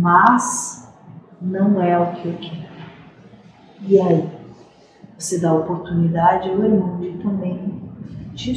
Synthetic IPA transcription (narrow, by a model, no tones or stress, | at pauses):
mɐz | nɐ̃w̃ɛʊkʰɪewkʰɛɾʊʊ | iai | vosed̪aopoɾt̪unid̪ad͡ʒɪaweɾmɐ̃w̃d͡ʒɪt̪ɐ̃mbẽj̃ | d͡ʒi